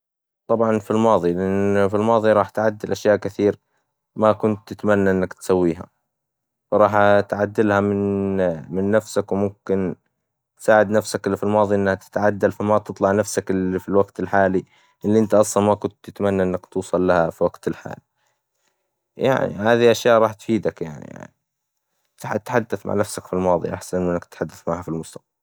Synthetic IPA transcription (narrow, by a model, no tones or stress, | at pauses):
t̪ˤɑbʕɑnfilmɑːðˤilɪʔɪnfilmɑːðˤiɾˤɑːħt̪ʕad̪ːɪlʔaʃjaːʔkɪθiːɾ | makʊnt̪ːɪt̪manːaʔɪnːakt̪sawːiːɦa̰ | fɾˤɑːħt̪ʕad̪ːɪlhamɪnmɪnːafsakwmʊmkɪn | t̪saːʕɪd̪nafsakɪlːifilmɑːðˤiʔɪnːhat̪ɪ̥t̪aʕad̪ːalfamat̪ɨt̪ˤlɑʕnafsakɪlifilwaɡt̪ɪlħaːli | ʔɪlːiʔɪnt̪aʔɑsˤlɑnmakʊnt̪ːɪt̪amanːaʔɪnːakt̪uːsˤɑlːahafiwaɡt̪ɪlħa̰ːli | ja̰ʕnḭhaːðiʔaʃjaːʔɾˤɑːħt̪fiːd̪akja̰ʕnḭja̰ʕni | t̪ħt̪ħad̪ːaθma̰ʕnafsakfilmɑːðˤḭʔa̰ħsanʔɪnːakt̪ħad̪ːaθmaʕhafilmʊst̪ḁq̚bal